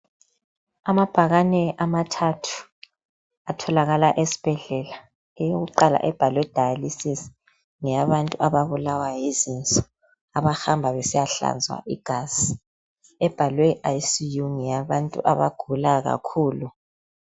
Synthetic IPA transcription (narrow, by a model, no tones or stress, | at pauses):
amab̥ʱaɣanɛʔamatʰatʰu̥ | atʰɔlaɣalaʔesi̥b̥ʱɛɮɛla | ɛjoɣuǃala̰ʔɛb̥ʱalwɛd̥ʱajalisis | ŋɛjaβantʼuʔaβaβulawajizint͡sʼɔ̥ | aβahambʱaβɛsijaɬa̰nd͡zʱwa̰ʔiɡ̥ʱaz̥i | ɛb̥ʱalwɛʔaisijuŋɛjaβantʼṵʔaβaɡ̥ʱulaɣa̰kʰuːlu